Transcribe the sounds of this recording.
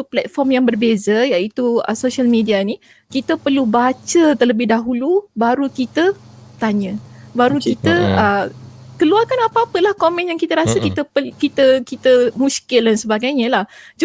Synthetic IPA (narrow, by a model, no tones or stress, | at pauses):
uplɛt̪̚fɔrmjaŋbərbezəjait̪uə̰soʃialmedianĩ | kit̪əpərlubat͡ʃət̪ələbɪhdaɦulubaɾukit̪ə | t̪aɲə̃baɾukit̪əəkəluarkanapaapəlahkomɛ̃njaŋkit̪əɾasəkit̪əpəkit̪əkit̪əmũskɪldansəbaɡajɲə̃lahd͡ʒ